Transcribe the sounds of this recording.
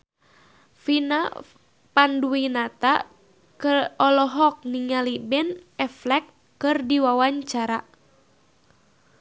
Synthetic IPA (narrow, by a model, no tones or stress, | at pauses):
fina | panduinat̪a | kɨrɔlɔɦɔk̚niŋalibɛnɛflɛkː | ɨrdiwawaɲt͡ʃaɾa